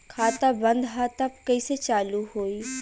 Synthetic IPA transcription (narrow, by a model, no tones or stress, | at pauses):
kʰaːt̪abə̃nd̪ɦat̪ɐpkɐiset͡ʃaːluɦoːi